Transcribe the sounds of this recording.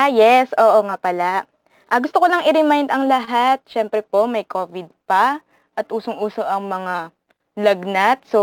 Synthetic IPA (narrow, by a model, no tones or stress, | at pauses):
ʔajɛsʔo̞ːʔoŋapɐla | ʔɐɡʊst̪okolɐŋʔɪɾɪmajnd̪ɐŋlɐɦat̪̚ʃɛmpɾɛpo̞mɐjkʰo̞ːvɪd̪̚pɐ | ʔɐt̪ʔuːsoŋʔuːsoʔɐŋmɐŋa | lɐɡnat̪̚so